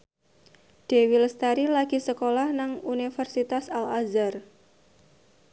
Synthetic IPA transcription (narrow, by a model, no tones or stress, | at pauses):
ɖ̥ewilst̪aɾilaɡ̥i̤səkolahnaŋunifərsit̪asalazar